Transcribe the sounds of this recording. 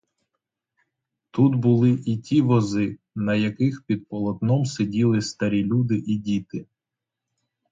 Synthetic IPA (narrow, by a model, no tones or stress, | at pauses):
t̪ut̪bʊlˠɪʔitʲiʋɔzɪ | nɐjɐkɪxpʲid̪̚pɔlˠɔt̪nɔmsedʲilˠɪst̪ɐɾʲilʲud̪ɪʔidʲit̪ɪ